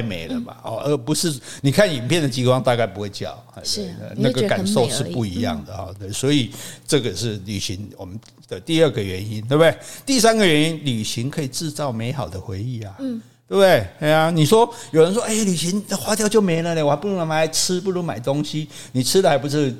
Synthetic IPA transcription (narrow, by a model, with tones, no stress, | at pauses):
ɪmḛ˧˥ɪlə˨ma̰˩ɔ̰˨ʔə˧˥pu˧˦ʂɻ̩˥˩ni˨˩kʰa˥˩ni˨˩npʰjɛ˥˨nd̪ə˨t͡ɕi˧˥kwɑ˥˧ŋt̪a˥˧ka˥˩ɪpu˧˥xwe˥˩ɪt͡ɕjɑ̰˨˩˦ʊa˧˥ə̰˧na˥˩ɡə˨ka˨˧nnso˥˧ʊʂɻ̩˥˨pu˥˩i˧˦jɑ̰˥˩ŋd̪ə˩hɔ̰˨˦t̪we˥˩swɔ˧˥i˨˩ʈ͡ʂɤ˥˩ɡə˨ʂɻ̩˥˩ly̰˨˩ɕḭ˧˦ŋwɔ̰˨˩mə˦n | d̪̥ə˨t̪i˥˧ə˥˩ɡə˩ɥɛ˧˦ni˦nt̪we˥˧b̪e˥˩ɪt̪i˥˩s̬a˦˥nɡə˨ɥɛ˧˦ni˦nly˨˩ɕi˧˥ŋkʰɤ˧˥i˨˩ʈ͡ʂɻ̩˥˧t͡sɑ˥˩ʊme˧˥ɪxɑ˨˩ʊd̪ə˦xwe˧˥ɪi˥˩a˩t̪we˥˧bde˥˩ɪe˧˥a˧ni˨˩ʂwɔ˥jo˨ʊɻə˧˦nʂ̬wɔ˥ʔe˥˩ɪly˨˩ɕi˧˥ŋxwa˥t̪jʊt͡ɕjo˥˩ʊme˧˥ɪlə˨˧le˧˨wa˧˥pu˥˩u˦˥na˧˥ma˧˥˩a˧˥ɪʈ͡ʂʰɻ̩˥pu˥˩lu˧˥ma˨˩ɪt̪o˥ŋɕi˦ | ni˨˩ʈ͡ʂʰɻ̩˥d̪ə˨a˧ɪpu˧˥ʂɻ̩˥˩